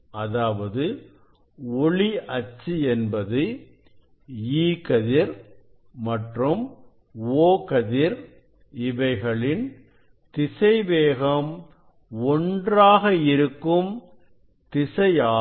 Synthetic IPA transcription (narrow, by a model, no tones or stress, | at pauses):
ɐðaːʋɐðɯ | ɔɭiɐt͡ʃːɯɛnbɐðɯ | iːkɐðɪɾ | mɐʈrɯm | oːkɐðɪɾ | ɪʋɐɪɣɐɭɪn | t̪ɪsɐɪʋeːɣɐm | ɔndraːɣɐɪɾɯkːɯm | t̪ɪsɐɪaː